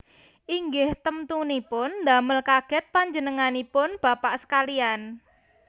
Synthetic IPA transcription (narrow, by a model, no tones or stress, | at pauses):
ʔiŋɡɪht̪əmt̪unipʊnːd̪a̤məlkaɡ̥ɛ̤t̪̚paɲd͡ʒə̤nəŋanipʊnb̥a̤paʔsə̥kalian